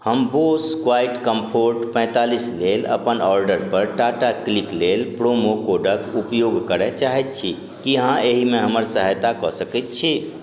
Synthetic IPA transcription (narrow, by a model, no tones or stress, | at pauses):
həmboskwaiʈkəmpʰoɾʈpə̃ɪ̃t̪alislelə̰pənɔɾɖəɾpəɾʈaʈakliklelpɾomokoɖəkupjoɡkəɾɛt͡ʃaɦɛt̪̚t͡ʃʰi | kiɦãʔeɦimeɦəməɾsəɦəjt̪akɔsəkɛt̪̚t͡ʃʰi